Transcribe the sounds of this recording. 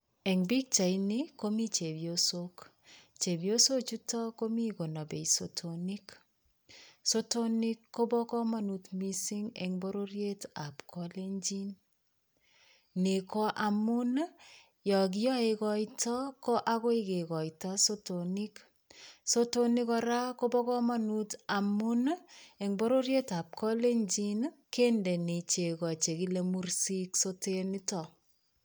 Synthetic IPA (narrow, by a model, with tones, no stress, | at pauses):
ɛ˨ŋbi˦k̚t͡ʃa˨i˦nɪko˦mi˦t͡ʃe˨bjo˨so˦k | t͡ʃe˨bjo˦so˦t͡ʃu˦tɔ˦ko˦mi˦ɡo˨na˨bḛ˨isotʰo˨ni˦k | so˦to˦nɪ˦kːo˦bɔ˦kɔ˦ma˦nu˨t̪mi˦si˦ŋɛ̰˨ŋbo˦ɾo˦ɾje˦ta˨pkʰɔ˦le˦ɲd͡ʒi˦n | ne˨ko˦ʔa˨mʊ˦n | jɔ˨k̬i˦jɔ˦e˨kɔ˦itɔ˦kɔ˦ʔa˦ko˦i˦ke˨kɔ˨itɔ˦so˦to˨ni˦k | so˦to˦ni˦kɔ˧ɾa˦ko˦bɔ˦kɔ˦ma˦nu˦ta˨mʊ˦ne˨ŋbɔ˦ɾo˦ɾje˦ta˨p̚kʰɔ˦le˦ɲd͡ʒi˦nke˦nde˨ne˨t͡ʃe˨kɔ˨t͡ʃe˨ki˦le˦mu˦rsi˦kso˦teni˦tɔ˨